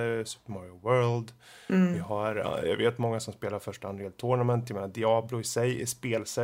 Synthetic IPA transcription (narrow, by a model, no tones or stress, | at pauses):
sʉ̥pmɔɾwœːld̪vɪɦaɾ̰jɑ̰ɡveːt̪mɔŋːasɔmspeːlaɾfœʂʈəand̪ɾajɛːlt̪ʰʊɳamɛnt̪ʰjameːnad̪ɪɑːblʊɪsɛjɪ̰ʂpeːlsɛ